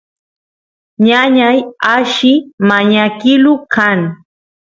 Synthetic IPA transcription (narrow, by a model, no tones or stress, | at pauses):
ɲaɲajaʃɪmaɲakɪlʊkaŋ